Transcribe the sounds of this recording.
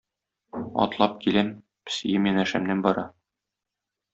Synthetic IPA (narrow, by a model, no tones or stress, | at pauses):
ɒ̰t̪lˠɑp̚kilæm | pɘ̥̆sijɘmjænæʃæmnænbɒɾɑ